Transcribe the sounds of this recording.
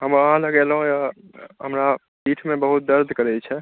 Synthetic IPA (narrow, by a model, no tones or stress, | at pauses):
ɦəməɦãləɡelɦũja | ɦəmɾa | piʈʰmẽbəɦut̪̚d̪əɾd̪ʱkəɾɛt͡ʃʰɛ